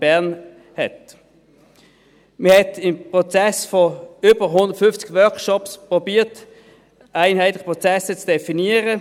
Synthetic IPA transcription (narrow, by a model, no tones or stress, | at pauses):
b̥æɐn | hɛt | məhɛtɪmpʁɔt͡sɛsfɔʏːb̥əʁɦʊnd̪əʁtfʏnft͡sɪ̥ɡ̥ʋœɐkʃɔpspʁɔbiːət | aɪnhaɪtlɪ̥əpʁɔt͡sɛsət͡sd̥ɛfiniəʁə